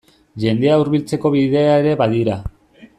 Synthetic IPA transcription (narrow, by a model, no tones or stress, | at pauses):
ʝe̞nd̪e̞auɾβilt͡se̞ko̞βiðe̞aeɾe̞βaðiɾa